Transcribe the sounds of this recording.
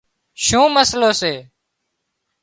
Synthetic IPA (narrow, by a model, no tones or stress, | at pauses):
ʃũːməsloːseː